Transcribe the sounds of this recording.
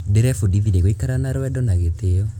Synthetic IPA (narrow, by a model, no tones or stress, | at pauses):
deɾɛfudiðiɾeɣoikaɾanaɾwɛdɔnaɣeteɔ